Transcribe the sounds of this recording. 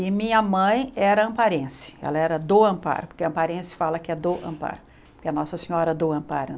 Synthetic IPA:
ɪmĩɲɐmɐ̃j̃ɛɾɐɐ̃mpaɾẽsɪ̥ɛ̰lɐɛɾɐd̪oɐ̃mpa̰ɾʊpʊɾkɪɐ̃mpaɾẽsɪ̥falɐkɪɛd̪ʊʔɐ̰̃pa̰ɾʊ | poɾkɪɐnɔsɐsĩɲɔɾɐd̪oɐ̃mpaɾʊ

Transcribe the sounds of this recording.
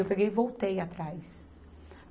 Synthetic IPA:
ewpeɡejvowt̪ejat̪ɾajs

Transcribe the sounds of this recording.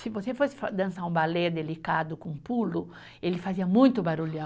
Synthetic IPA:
sɪvosefosɪ̥fad̪ɐ̃saũbaled̪elikad̪ʊkõpulʊ | elɪfaziɐmũj̃t̪ʊbaɾulã

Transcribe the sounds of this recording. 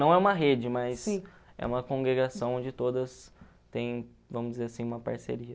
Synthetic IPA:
nɐ̃w̃ɛũmɐɦed͡ʒɪmɐs | ɛ̰ũmɐkõŋɡɾeɡasɐ̃w̃õd͡ʒɪt̪od̪ɐs | t̪ẽj̃ | vɐ̃mʊzd͡ʒɪzeɾasĩũmɐpa̰ɾsḛɾiɐ

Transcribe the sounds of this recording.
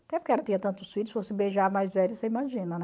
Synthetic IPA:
at̪ɛ̃ɛpʊɾkeɛɾɐt̪ĩɲɐt̪ɐ̃nt̪ʊsuit͡ʃ̪ɪsɪvosebeʒaɐmajzvɛlʊseimaʒĩnɐnɛ

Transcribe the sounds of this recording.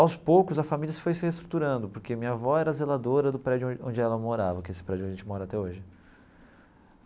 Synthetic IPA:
awspowkʊzɐfamiliɐsɪ̥fojsɪhest̪ɾut̪uɾɐ̃nd̪ʊpoɾkemĩɲɐvɔɛɾɐzelad̪oɾɐd̪ʊpɾɛd͡ʒʊ̃õd͡ʒɪɛlɐmoɾavɐkɪesɪ̥pɾɛd͡ʒʊõd͡ʒʒẽt͡ʃɪmɔɾɐat̪ɛoʒɪ

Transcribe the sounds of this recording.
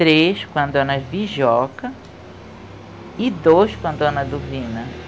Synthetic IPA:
t̪ɾeʃkwɐ̃nd̪ʊɐnɐviʒɔkɐ | id̪oskwɐ̃nd̪ʊɐ̃nɐd̪ovĩnɐ

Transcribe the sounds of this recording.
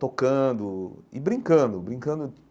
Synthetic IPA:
t̪okɐ̃d̪ʊɪbɾĩŋkɐ̃d̪ʊbɾĩkɐ̃nd̪ʊ

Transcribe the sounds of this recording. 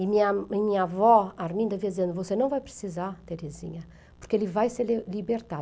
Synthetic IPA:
imiɲaimiɲɐaavɔaɾmĩnd̪ɐviɐd̪izẽnd̪uvosenɐ̃w̃vajpɾi̥sizaɾt̪eɾezḭɲɐ | puɾkelivajseɾlibeɾt̪a

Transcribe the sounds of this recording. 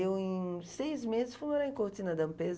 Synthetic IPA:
ewẽj̃sejzmezɪsfumoɾaj̃koɾt̪ĩnɐd̪ɐ̃mpez

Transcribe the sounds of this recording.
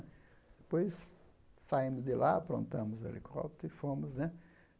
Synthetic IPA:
d̪̥ɪpojs | saimʊzd̪ɪlʔaapɾõ̰nt̪ɐ̃mʊzḛlʔekʰɔ̰t̪ʊɪfõmʊznɛ

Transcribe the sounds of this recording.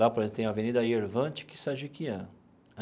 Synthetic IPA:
lapoɾezẽt̪t̪ẽj̃ũɐavenid̪ɐieɾvɐ̃t͡ʃɪ̥kɪ̥saʒikiɐ̃

